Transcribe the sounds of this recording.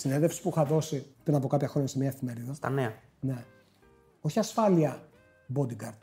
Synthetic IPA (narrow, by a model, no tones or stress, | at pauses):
sineðefsi̥puixɐðo̞sipɾinɐpo̞kɐpçɐxɾoɲɐsemɲɐefime̞ɾiðɐst̪ɐ̰neɐ | ne̞ | oçiɐsfɐliɐ | bod̪ikɐɾd̪